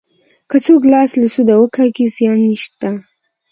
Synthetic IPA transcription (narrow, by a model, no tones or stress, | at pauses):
kət͡soklɑsləsud̪awəkʰɑɡizjɑnːiʃt̪a